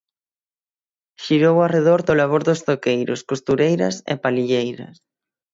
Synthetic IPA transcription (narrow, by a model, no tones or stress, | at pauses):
ʃiɾowareð̞oɾðolaβ̞oɾðost̪okejɾo̰skost̪uɾejɾɐ̰sḛpaliʎejɾɐ̰s